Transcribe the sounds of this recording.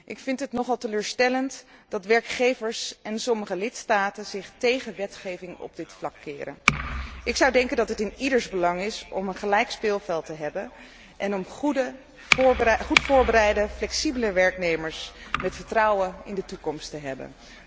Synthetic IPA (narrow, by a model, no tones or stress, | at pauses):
ʔɪkfɪntɦətnɔχɑlˠtəløːɹstɛləntd̥ɑtʋɛɹkχejvəɹsɛnsɔməχəlɪtstaːtənzɪχtejχənʋɛtχejvɪŋɔ̰b̚dɪtflɑkːɪ̰ːɾə̰nʔɪksɑwdɛŋkəndɑtɦətɪnidəɹzbəlɑŋɪsɔmənχəlɛjkspɪːlˠvɛlˠtəɦɛbən | ʔɛnɔmudə | χutfʊːɹbəɾɛjdəflɛksibələʋɛɹknejməɹsmɛtfəɹtrɑwənɪ̰ndətukɔmstəɦɛbə̰n